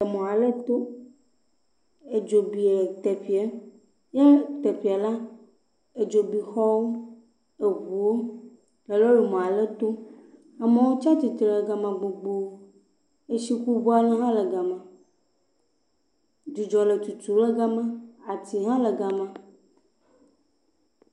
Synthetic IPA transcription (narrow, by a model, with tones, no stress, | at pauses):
e˨mɔ̃˨a˨lə˦t̪o˦ | e˨d͡ʒo˨bi˨e˨t̪e˨ɸi˨˦ɛ˦ | je˦t̪e˨ɸi˨a˨la˦ | e˨d͡ʒo˨bi˨xɔ˦wo˦ | e˨βu˨wo˦ | lə˨lo˦jo˨mɔ̃˨a˨lə˦t̪o˦ | a˨mẽ˨˦wo˦t͡ʃa˦t̪i˨t̪i˨lə˨ɡa˨mã˨ɡ͡bo˨ɡ͡bo˨˦ | e˨si˦ku˦bo˦a˨lɛ̃˦ɦã˦lə˨ɡa˨mã˨ | d̪i˨d͡ʒɔ˨lə˨t̪u˨t̪u˨˦lə˦ɡa˦mã˦a˨t̪i˨ɦã˦lə˨ɡa˨mã˨